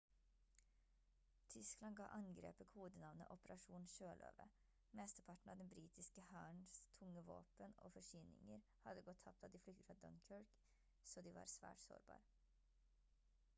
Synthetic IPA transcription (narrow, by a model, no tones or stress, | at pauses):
t̪ʰʏsklɑnɡɑ̰ːʔɑŋɡɾḛːpəkʰuːd̪ənɑʋnə̰ʔɔpəɾʔɑʂuːnʃøːlʔø̰ːʋə̰ | mɛst̪əpʰɑʈɳ̩ɑʋd̪ɛnbɾiːt̪ɪskəhæːɳst̪ʰʊŋːəʋo̰ːpəno̰ːfɔʂynɪ̰ŋəɾ | hɑd̪əɡɔt̪ʰːɑp̚t̪ɑd̪ɪːflʏkt̪əfɾɑd̪ɔnkʰœɹk | soːd̪iʋɑ̰ɾsʋæ̰ːʈso̰ːɾbɑ̰ːɾ